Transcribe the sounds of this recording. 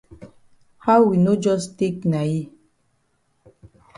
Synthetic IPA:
ha˦ʊwi˨no˦d͡ʒɔ˦ste˦k̚na˨ji˦

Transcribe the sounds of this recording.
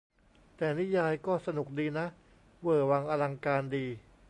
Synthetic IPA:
t̪ɛː˨˩ni˦˥jaː˧jkɔː˥˩sa˧nu˨˩k̚diː˧na˦˥ʔ | wɤː˨˩wa˧ŋʔa˧la˧ŋkaː˧ndiː˧

